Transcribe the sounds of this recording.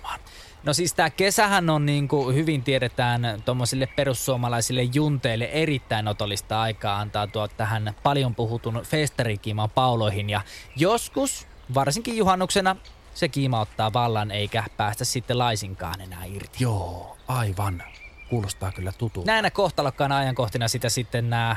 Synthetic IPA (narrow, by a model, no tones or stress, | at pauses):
ɑ̥n | nosiːst̪ækesæhænonniːŋkuhyʋint̪ieɾet̪æːnt̪omːosilːepperusːuomɑlɑisilːejjunt̪eilːeʔerit̪ːæinot̪olːist̪ɑɑikɑːɑnt̪ɑːt̪uɑott̪ːæhænpɑljompuhut̪unfeːst̪ɑrikiːmɑpɑuloihinjɑjoskus | ʋɑrsiŋkijjuhɑnːuksenɑ | sekiːmɑot̪ːɑːʋɑlːɑneikæpæːst̪æssit̪ːelɑisiŋkɑ̰ːnenæ̰ːirt̪i̥joːɑiʋɑnkuːlost̪ɑːkylːæt̪ut̪unæˑinːækoht̪ɑlokːɑːnɑjɑŋkoht̪inɑsit̪æsit̪ːennæː